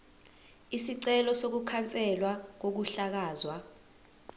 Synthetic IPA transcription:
isiǀɛlɔsok̬ukʰant͡sʼɛlwak̬ok̬uɬak̬aːzwa

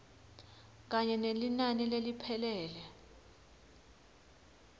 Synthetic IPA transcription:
k̬aɲɛnelinanilelipʰɛlɛːlɛ

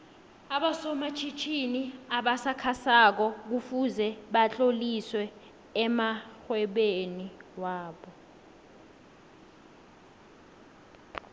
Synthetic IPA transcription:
aɓasɔmat͡ʃʰit͡ʃʰiniaɓasakʰasak̬ɔk̬ufuzɛɓat͡ɬʼoliswɛː | maxwɛɓeniwaːɓɔ

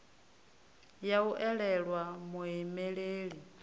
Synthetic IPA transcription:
jauʔɛɺɛɺwamuɦimeɺeːɺi

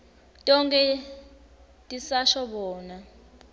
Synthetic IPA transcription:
tʼɔŋkʼɛ | tʼisaʃɔɓɔːna

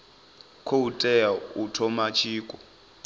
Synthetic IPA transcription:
kʰoutʼɛjautʰɔmat͡ʃʰiːkʼɔ

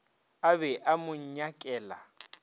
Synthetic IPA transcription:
aβɛʔamʊɲ̩ɲakʼɛːla̰

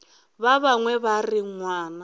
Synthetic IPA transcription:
βaβaŋwɛβariŋwaːna

